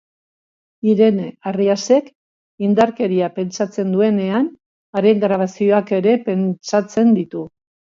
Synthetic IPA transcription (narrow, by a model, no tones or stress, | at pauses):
iɾe̞nariase̞k | ind̪aɾke̞ɾiape̞nt͡sat͡se̞nd̪ue̞ne̞an | aɾe̞ŋɡɾaβ̞asio̞ake̞ɾe̞pe̞nt͡sat͡se̞nd̪it̪u